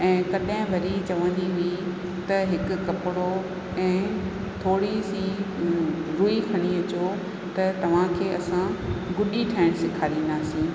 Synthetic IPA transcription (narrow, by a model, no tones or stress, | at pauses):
ɛ̃ːkɐɗɦɪ̃bʱɐɾit͡ɕɐʋə̃n̆d̪iɦʊi | t̪ɐɦɪkʊ̆kɐpɪɽo | ɛ̃ː | t̪ʰoːɽisi | ɾuikʰɐɽ̃iəd͡ʑoː | t̪ɐt̪ɐʋ̤ãkʰeːɐsãɡʊɗiʈʰaːɪɽ̃sɪkʰaːɾiːnd̪aːsĩː